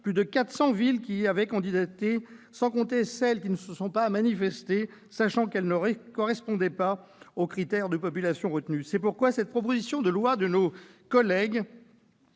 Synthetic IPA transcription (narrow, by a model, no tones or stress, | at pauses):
plyd̪əkat̪χsɑ̃vilkʲiavɛkɑ̃d̪id̪at̪esɑ̃kɔ̃t̪esɛlkʲinəsəsɔ̃pamanifɛst̪e | saʃɑ̃kɛlnəʁkɔʁɛspɔ̃d̪ɛpa | okχit̪ɛʁd̪əpɔp̬ylasjɔ̃ʁət̪nysɛpuʁkwasɛt̪̚pχɔp̬ozisjɔ̃d̪əlwad̪ənokɔlɛɡ